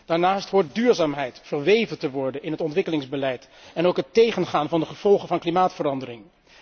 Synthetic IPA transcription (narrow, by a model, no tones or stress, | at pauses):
d̥aːɹnaːstɦʊɹt̚dyːɹzaːmɦɛjtfəɹʋejvəntəʋɔɹdənɪnɦətɔntʋɪkəlɪŋzbəlɛjtɛnowkɦətejχənχaːnvɑndəχəv̥ɔlˠχəvɑnklimaːtfərɑndəɾɪŋ